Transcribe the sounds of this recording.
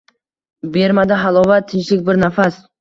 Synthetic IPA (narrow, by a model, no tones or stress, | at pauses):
be̞ɾmad̪ɪɦalˠɒvat̪ʰːɪnt͡ʃlɪkʲbɪɾnafas